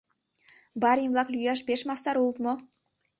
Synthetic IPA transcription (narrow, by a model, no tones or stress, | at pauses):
bɑɾimvlˠɑklʲyjɑʃbeʃmɑst̪ɑɾulˠt̪mo